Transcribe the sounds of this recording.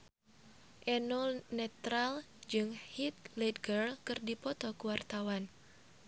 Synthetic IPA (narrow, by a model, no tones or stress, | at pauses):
ʔɛnɔnɛt̪ɾal | d͡ʒɨŋhit̪̚lɛd̪ɡərkɨrdipɔt̪ɔkuwart̪awan